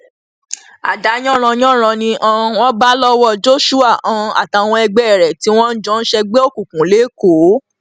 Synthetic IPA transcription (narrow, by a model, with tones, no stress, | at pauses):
a̰˨da˨˦j̃ɔ̃˦˨ɾ̃ɔ̃˧j̃ɔ̃˦˨ɾ̃ã˧nĩ˧ʔã˧w̃ɔ̃˦ba˦lɔ˦wɔ˧˨d͡ʒo˦ʃu˦a˦˨ʔã˨˧a̰˨ta˨˧˨w̃ɔ̃˧ɛ˧ɡ͡bɛ˦˨ɾɛ˨ti˨˦w̃ɔ̃˦n̩˦d͡ʒɔ̃˦n̩˦ʃɛ˧ɡ͡be˦o˦˨kũ˨kũ˨le˨˦ko˨˦